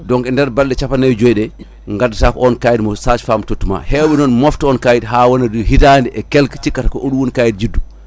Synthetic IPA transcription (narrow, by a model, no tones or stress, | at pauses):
dɔŋkɛndɛɾbalɗɛt͡ʃapanajd͡ʒojɗɛ | ŋɡadatakɔɔnkajidmɔsaːt͡ʃfaːmtotːuma̰hɛwɓɛnɔnmɔftɔnkajidɦaːwɔnaduhitandɛʔɛkɛlkt͡ʃikːatakɔʔoɗuwunkaːjid̚d͡ʒidːu